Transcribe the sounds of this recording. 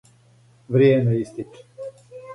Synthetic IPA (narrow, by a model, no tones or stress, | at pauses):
vɾiɛniːst̪it̪ʲ